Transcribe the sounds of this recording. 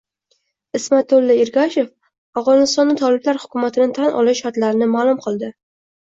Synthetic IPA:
ɪsmat̪ʰːolːɪɪɾɡʲaʃe̞f | avʁɒnɪst̪ɒnːɪt̪ʰɒlɪblaɾhʊ̥kʲʊmat̪ʰɪnɪt̪ʰanʔɒ̰lˠɪʃːaɾt̪laɾɪnɪmaːlˠʊmqʰɨlˠd̪ɪ

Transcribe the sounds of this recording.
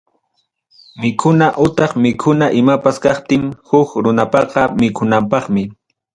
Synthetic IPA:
mɪkʰʊnaʔʊt̪ɑχmɪkʰʊnaʔɪmapaskɑχt̪ɪŋhʊkɾʊnapɑqɑmɪkʰʊnampɑχmɪ

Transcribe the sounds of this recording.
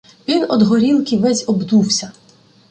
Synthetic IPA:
ʋʲinɔd̪ɦɔɾʲilˠkʲiʋɛzʲɔbd̪uwsʲɐ

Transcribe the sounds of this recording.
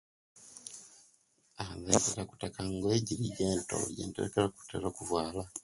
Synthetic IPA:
aβeteɾaku̥takaŋɡoeɟiɾiɟeːnto̰jḛnteḛkeɾaku̥tḛɾokuvwaːla

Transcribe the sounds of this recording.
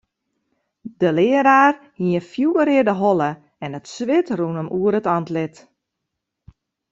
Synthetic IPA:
dəlɪəɾaːrhiəfjuəɾɪərdəɦɔlˠə | ɛnətsʋɪtrunəmʔuəɾətɑntlɪt

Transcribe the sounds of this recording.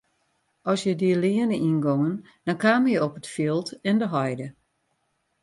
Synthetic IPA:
ʔɔsjədiəliənəʔinɡoŋən | d̥ɔnkaːməjəɔpətfilˠtɛndəɦɔjdə

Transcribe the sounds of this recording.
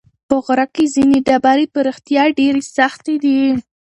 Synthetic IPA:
pəɣɾakezineɖabaɾepəɾixt̪jɑɖeɾesaxt̪ed̪i

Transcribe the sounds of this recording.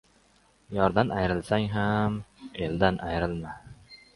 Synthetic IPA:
jɒɾd̪anʔajɾɪlsaŋɦame̞ld̪anʔajɾɪlma

